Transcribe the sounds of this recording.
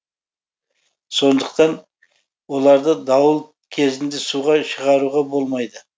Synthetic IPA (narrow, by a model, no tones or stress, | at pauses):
so̞nd̪əqt̪ɑn | wo̞lˠɑɾd̪əd̪ɑwəlˠ | kʲʰe̞zɪnd̪ɪsuʁɑʃəʁɑɾuʁɑbo̞lˠmɑjd̪ə